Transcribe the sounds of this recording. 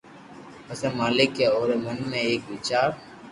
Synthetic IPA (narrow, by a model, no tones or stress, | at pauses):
əseːmaːlɪkːeːoːɾeːmənmẽːeːkʋɪːt͡ʃaːɾ